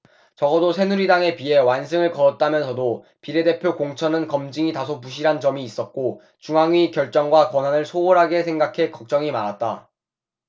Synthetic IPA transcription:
t͡ɕʌɡʌdosʰe̞nuɾidaŋe̞pie̞wansʰɯŋɯɭkʌɾʌt̚t͈amjʌnsʰʌdo | piɾe̞de̞pʰjokoŋt͡ɕʰʌnɯnkʌmd͡ʑiŋitasʰopuɕ̬ʰiɾɦand͡ʑʌmiːs͈ʌt̚k͈o | t͡ɕuŋɦaŋɥikjʌɭt͡ɕ͈ʌŋɡwakwʌnanɯɭsʰooɾɦaɡesʰeŋɡakʰe̞kʌk̚t͡ɕ͈ʌŋimaɾat̚t͈a̰

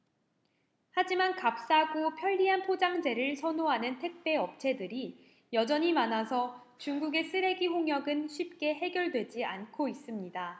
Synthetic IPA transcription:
had͡ʑimankap̚s͈aɡopʰjʌʎːiɦanpʰod͡ʑaŋd͡ʑe̞ɾɯɭsʰʌnoɦanɯntʰe̞k̚p͈e̞ʌp̚t͡ɕʰe̞dɯɾi | jʌd͡ʑʌɲimanasʰʌ | t͡ɕuŋɡuɡe̞s͈ʰɯɾe̞ɡiɦoŋjʌɡɯnɕʰɥip̚k͈e̞ɦe̞ɡjʌɭdwe̞d͡ʑiankʰois͈ɯmɲida

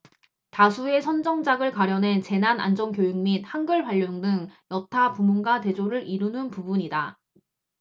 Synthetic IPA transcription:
tasʰue̞sʰʌnd͡ʑʌŋd͡ʑaɡɯɭkwaɾjʌnɦe̞nt͡ɕe̞nana̰nd͡ʑʌnkjojuŋmit̚hanɡɯɭɸaʎːoŋdɯŋjʌtʰapumunɡate̞d͡ʑoɾɯɾiɾunɯnpubuɲida

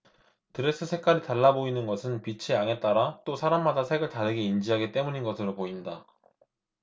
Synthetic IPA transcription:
tɯɾe̞s͈ʰɯsʰe̞k͈aɾitaɭːaboinɯnɡʌsʰɯnpit͡ɕʰeaŋe̞t͈aɾat͈osʰaɾamːadasʰe̞ɡɯɭtadɯɡe̞ind͡ʑiɦaɡit͈e̞muɲinɡʌsʰɯɾopoinda

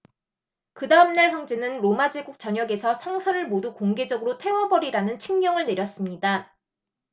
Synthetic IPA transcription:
kɯdaɯmnaɭçjʌŋd͡ʑenɯnɾomad͡ʑeɡuk̚t͡ɕʌɲʌɡe̞sʰʌsʰʌŋsʰʌnɯɭmodukoŋɡe̞d͡ʑʌɡɯɾotʰe̞wʌbʌɾiɾanɯnt͡ɕʰiŋɲʌŋɯɭne̞ɾjʌs͈ɯmɲida

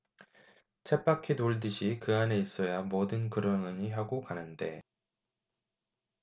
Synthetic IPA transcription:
t͡ɕʰep͈akʰetoɭdɯɕʰikɯane̞is͈ʌjamodɯnkɯɾʌŋɯɲiɦaɡokanɯnde̞̰

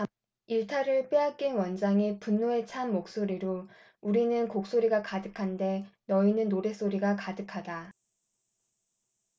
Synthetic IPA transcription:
iɭtʰaɾɯɭp͈eak͈enwʌnd͡ʑaŋipunːoe̞t͡ɕʰanmok̚s͈oɾiɾo | uɾinɯnkok̚s͈oɾiɡakadɯkʰande̞nʌinɯnːoɾe̞s͈oɾiɡakadɯkʰada

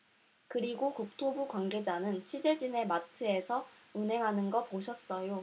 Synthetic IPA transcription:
kɯɾiɡokuk̚tʰobukwanɡe̞d͡ʑanɯnt͡ɕʰwid͡ʑe̞d͡ʑine̞matʰɯe̞sʰʌ | unɦe̞ŋɦanɯnɡʌpoɕʰʌs͈ʌjo

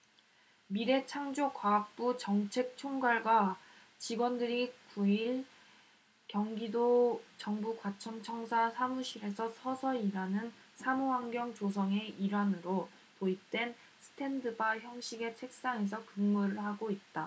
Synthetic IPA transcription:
miɾe̞t͡ɕʰaŋd͡ʑokwaːk̚p͈ut͡ɕʌŋt͡ɕʰe̞k̚t͡ɕʰoŋɡaɭɡwa | t͡ɕiɡwʌndɯɾikuiɭ | kjʌŋɡidot͡ɕʌŋbukwat͡ɕʰʌŋt͡ɕʰʌŋsʰasʰamuɕʰiɾe̞sʰʌsʰʌsʰʌiɾanɯn | sʰamuɦaŋɡjʌŋt͡ɕosʰʌŋe̞iɾanɯɾo | poit͈we̞n | sʰɯ̥tʰe̞ndɯbaçjʌŋɕʰiɡe̞t͡ɕʰe̞k̚s͈aŋe̞s̬ʰʌkɯmmuɾɯɭhaɡoit̚t͈a

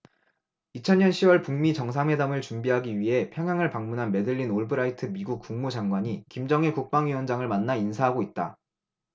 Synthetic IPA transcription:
it͡ɕʰʌnɲɲʌnɕʰiwʌɭpuŋmit͡ɕʌŋsʰaŋɦwe̞damɯɭt͡ɕumbiɦaɡiɥiɦe̞pʰjʌŋɦjaŋɯɭpaŋmunɦanme̞dɯʎːinoɭbɯɾaitʰɯmiɡuk̚k͈uŋmud͡ʑaŋɡwaɲikimd͡ʑʌŋekuk̚p͈aŋɥiwʌnd͡ʑaŋɯɭmanːainsʰaɦaɡoit̚t͈a

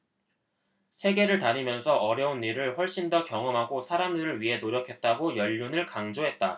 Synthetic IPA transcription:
sʰe̞ɡe̞ɾɯɭtaɲimjʌnsʰʌʔʌɾjʌunːiɾɯɭɸwʌɭɕ͈indʌkjʌŋʌmɦaɡosʰaɾamdɯɾɯɭɥiɦe̞noɾjʌkʰe̞t̚t͈aɡojʌʎːunɯɭkaŋd͡ʑoɦe̞t̚t͈a

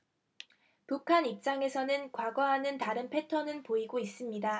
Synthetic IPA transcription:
pukʰanip̚t͡ɕ͈aŋe̞sʰʌnɯnkwaɡʌɦanɯntaɾɯnpʰe̞tʰʌnɯnpoiɡois͈ɯmɲida

